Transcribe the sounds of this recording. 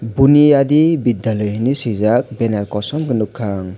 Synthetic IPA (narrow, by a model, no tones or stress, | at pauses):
buniadibid̪jalɔjhinisizak̚bɛnaɾkɔsɔmkɯnukʰːaŋ